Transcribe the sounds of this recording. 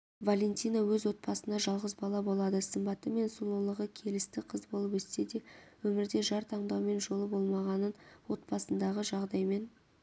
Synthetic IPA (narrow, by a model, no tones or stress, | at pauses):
valʲe̞nt̪ʲijnɑwɵzwo̞t̪̚pɑsənɑʒɑlˠʁəzbɑlˠɑbo̞lˠɑd̪əsəmbɑt̪əme̞nsulˠulˠəʁəkʲʰe̞lɪst̪ɪqʰəzbo̞lˠəpɵst̪e̞d̪e̞wɵmɪɾd̪e̞ʒɑɾt̪ʰɑɴd̪ɑwme̞nʒo̞lˠəbo̞lˠmɑʁɑnənwo̞t̪̚pɑsənd̪ɑʁəʒɑʁd̪ɑjme̞n